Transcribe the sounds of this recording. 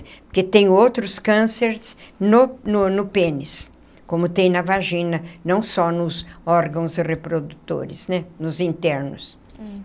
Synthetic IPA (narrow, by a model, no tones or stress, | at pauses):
pʊket̪ẽj̃owt̪ɾʊskɐ̃seɾsnʊnʊnʊpẽnɪs | kõmʊt̪ẽj̃nɐvaʒĩnɐnɐ̃w̃sɔnʊzɔɾɡɐ̃w̃zɪrepɾod̪ut̪o̰ɾɪ̰snɛnʊzĩnt̪ɛɾnʊs